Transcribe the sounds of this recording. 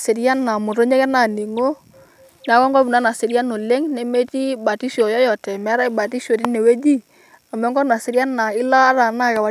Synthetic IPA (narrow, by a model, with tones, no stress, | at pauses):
se˨ɾja˦na˨mo˨to˦ɲɛ˦kɛ˦na˨ne˨ŋo˦ | na˦kɔ˦ŋɡɔ˦bu˨na˦na˨se˨ɾja˦no˨le˦ŋnɛ˨˦me˦ti˦ba˨ti˦sjɔ˨jɔ˦jɔ˨tɛ˨mɛ˨˦ɾa˦i˨˦ba˨ti˦so˨t̬i˦ne˨we˦d͡ʒi˦ | a˨mɛ˦ŋɡɔ˦na˨si˦ɾja˦na˨ɪ˦la˦ɾa˨na˦ka˨wa˨